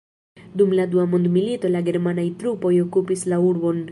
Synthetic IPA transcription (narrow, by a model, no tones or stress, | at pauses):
d̪umlad̪uamond̪milit̪olaɡeɾmanait̪ɾupojokupislauɾbon